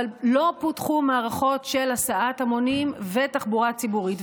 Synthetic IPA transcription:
allo̞putχumaːʁaχo̞tʃe̞lasaʔatamo̞nimvetaχbuʁat͡sibuʁit

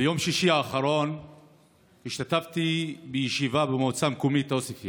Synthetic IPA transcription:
bejo̞mʃiʃiaːχaɾo̞n | hiʃt̪at̪aft̪ibejeʃivabemot͡samkomit̪osifi

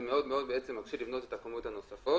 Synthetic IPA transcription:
meo̞d̪meo̞d̪beet͡semːakʃivlivno̞te̞t̪akomot̪hano̞safo

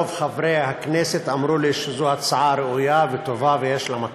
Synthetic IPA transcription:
ovχavɾehakneset̪ʔamɾuliʃezuat͡saʕaɾeujavet̪ovavejeʃlama

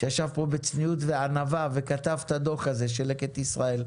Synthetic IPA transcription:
ʃejaʃavpo̞bet͡snijut̪veanavave̞kat̪avt̪ad̪o̞χaze̞ʃ̬eleket̪isʁae̞l

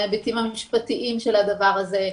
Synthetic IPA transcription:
abitimamiʃpat̪iʔimʃelad̪avaʁaze̞

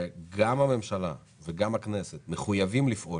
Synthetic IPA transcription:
eɡamhame̞mʃala̰ | veɡamakne̞set̪meχujavimlifʔo̞

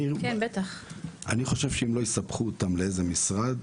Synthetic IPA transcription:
ikenbet̪aχa̰niχo̞ʃe̞v̥ʃeimlo̞jisabχuot̪amleeze̞misʁad̪

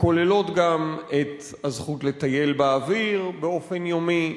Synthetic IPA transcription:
ko̞le̞lo̞t̪ɡamet̪ | hazχutle̞t̪aje̞lbaaviʁbeo̞fe̞njomi

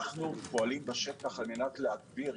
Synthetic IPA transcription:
χnupoalimbaʃet̪aχalmenatleak̚biʁ

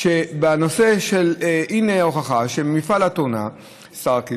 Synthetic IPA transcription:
ʃebanoseʃelineoχaχaʃemifalat̪ona | saʁki

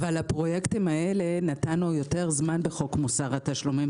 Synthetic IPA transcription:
valapʁo̞jektimae̞le̞natanujo̞te̞ʁzmanbeχo̞kmusaʁat̪aʃlumim

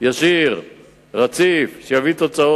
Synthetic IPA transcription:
jaʃiʁ | ʁat͡sifʃejavit̪ot͡sao

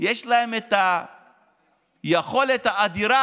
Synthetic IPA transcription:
jeʃlahemet̪a | jeχo̞let̪haːd̪iɾa

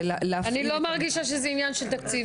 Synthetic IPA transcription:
llaanilo̞maʁɡiʃaʃ̬ezɛinjanʃelt̪akt͡si

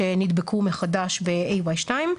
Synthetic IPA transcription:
enid̪bekʰumeχadaʃbeʔejwajʃtaim

